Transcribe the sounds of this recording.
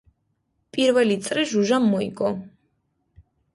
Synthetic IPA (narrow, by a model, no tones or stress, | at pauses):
pʼiɾvɛlit̪sʼɾiʒuʒamːɔḭɡɔ